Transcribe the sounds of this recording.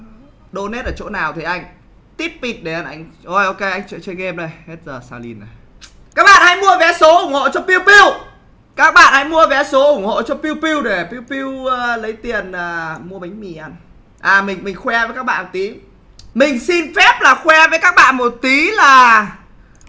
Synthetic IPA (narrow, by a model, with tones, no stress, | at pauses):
ɗo˧nɛ˦˥t̚əː˧˩t͡ɕo̰˧˥naː˨˩wt̪ʰi˨˩ʔa˧jŋ̟ | t̪i˦˥t̚pi˦˩t̚ɗe˨˧˩ʔa˧nʔa˧jŋ̟ | ʔo˧jʔo˧ke˧ʔa˧jŋ̟t͡ɕwḭ˧˨nt͡ɕe˧nɣɛ˧mɗə˨˧˩jhɛ˦˥t̚zəː˨˩saː˧lḭ˧na˨˩j | kaː˦˥k̚ɓa̰ː˧˨nha̰˧˥jmu˧əvɛ˨˦so˨˦ʔʊ˨˧˩ŋ͡mho̰˧˨t͡ɕɔ˧pi˧wpi˧əw | kaː˦˥k̚ɓa̰ː˧˨nha̰˧˥jmu˧əvɛ˨˦so˨˦ʔʊ˧˩ŋ͡mho̰˧˨t͡ɕɔ˧pi˧wpi˧wɗe˧˩pi˧wpi˧wəː˧lə˨˦jt̪i˨˩ənəː˨˩mu˧əɓa˨˦jŋ̟mi˨˩ʔa˧n | ʔaː˨˩mï˨˩ŋ̟mï˨˩ŋ̟xwɛ˧vəː˨˦kaː˦˥k̚ɓa̰ː˧˨mo˨˩t̪i˨˦ | mï˨˩ŋ̟si˧nfɛ˦˥p̚laː˨˩xwɛ˧vəː˨˦jkaː˦˥k̚ɓa̰ː˧˨nmo˨˩t̚t̪i˨˦laː˨˩